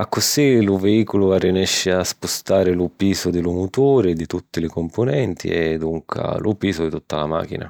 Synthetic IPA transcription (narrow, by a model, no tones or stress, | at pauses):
akːʊsilʊveiːkolʊvarːinɛʃːɪaspʊst̪aːɾɪlʊpiːsʊd̪ɪlumut̪uːɾɪd̪it̪ut̪ːɪlɪkompʊnɛnt̪ḭɛd̪uŋkʰa̰lʔupiːsʊd̪it̪ut̪ːalama̰ːk̟ḭna̰